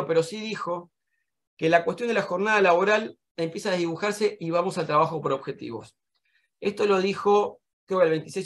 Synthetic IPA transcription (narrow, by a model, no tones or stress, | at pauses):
ope̞ɾo̞siðixo̞ | kelakwet̪jo̞nd̪elaxo̞ɾnað̞alaβo̞ɾal | empjesaðeðiβuxaɾse̞ʔiβ̞amo̞salt̪ɾaβaxo̞po̞ɾo̞βxe̞t̪ḭβo̞̰s | e̞st̪o̞loðixo̞ | kɾeoklβent̪i̥sejs